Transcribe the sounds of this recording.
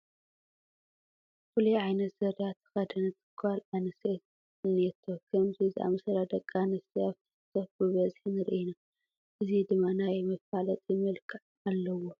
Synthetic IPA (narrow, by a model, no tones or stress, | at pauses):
fulujʕajnɐt̪z̥ɐɾjat̪ʰːɨ̥xɐd̪ɐnɨt̪ʰɨ̥kʰːalanɨset̪ | net̪ʰːokʰɐmziziʔa̰mɨsɐɾad̪ɐkʼːanɨsiaβt̪ʰɨ̥sɨ̥t̪ʰːɐfbɨβɐzħinɨɾʔina | ʔɨzid̪ɨmːanajmɐfalɐt̪ʼjɪmɨlkʰʼɨʕ | alːɐwo